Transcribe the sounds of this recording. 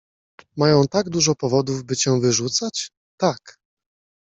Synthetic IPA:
majɔ̃w̃t̪aɡd̪uʐɔpɔvɔd̪uvbɘt͡ɕɛ̃vɘʐut̪sat͡ɕ | t̪ak

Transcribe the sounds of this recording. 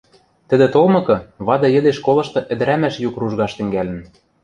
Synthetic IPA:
t̪ɘ̆d̪ĕt̪olmɤ̆kɤ̆βɑd̪ɤ̆jɘ̆d̪eʃkolɤ̆ʃt̪ɤ̆ʔɘ̆d̪ɘ̆ɾæmæʃjukruʒɣɑʃt̪ɘ̆ŋɡælɘ̆n

